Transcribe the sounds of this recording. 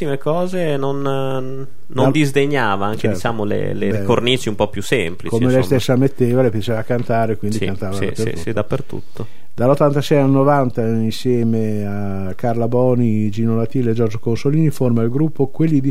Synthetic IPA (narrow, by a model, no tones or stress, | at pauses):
imekɔːzenon | nːond̪izd̪eɲːaːvaaŋkt͡ʃedɛit͡ʃaːmolḛlekornit͡ʃiumpɔpjusːemplikomelɛjsst̪esːamet̪ːeːvalepjat͡ʃeːvakant̪aːɾekwind̪ikant̪aːvaapːert̪uid̪apːert̪ṵt̪ːo | d̪alot̪ːant̪asɛjalnovant̪ainsjɛːme | a | karlabɔːnid͡ʒinolat̪iːled͡ʒɔrd͡ʒokonsoliːniformailɡɾupːokwelːid̪i